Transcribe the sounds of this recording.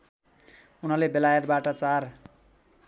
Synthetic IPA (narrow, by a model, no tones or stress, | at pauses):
unʌlebelajʌt̪̚baʈʌt͡sar